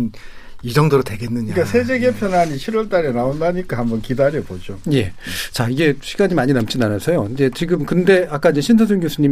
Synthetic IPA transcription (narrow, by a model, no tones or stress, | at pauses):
n | id͡ʑʌŋdoɾotwe̞ɡe̞nːɯɲaiikasʰe̞d͡ʑe̞ɡe̞pʰjʌnaɲit͡ɕʰiɾwʌɭt͈aɾenaondaɲik͈ahambʌnkidaɾjʌbod͡ʑoje̞̰t͡ɕaiɡe̞ɕʰiɡaɲimaɲinʌmt͡ɕ͈inanasʰʌjoid͡ʑe̞t͡ɕiɡɯmkɯnde̞ak͈aind͡ʑeɕʰinsʰʌsʰoŋɡjosʰuɲi